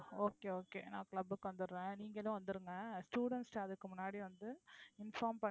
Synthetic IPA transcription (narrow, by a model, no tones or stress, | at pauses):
oːkeːoːkeːnãːkɭɐbɯkːɯʋɐnd̪ɯɾɯɾẽːniːŋɡɐlʊ̃ʋɐnd̪ɯɾɯŋɡɐsʈuːɽɛɳʈsʈɐðɯkːɯmʊnːaːɽiʋɐnd̪ɯɪnfaːmpɐ